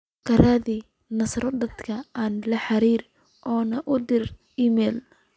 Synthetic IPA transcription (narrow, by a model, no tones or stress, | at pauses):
kʰɐɾaːði | nɐsɾɔd̪ɐd̪kʰɐaːnlɐħɑɾiːɾ | ʔɔːnɐʔʊd̪ɪr | iːmɛːl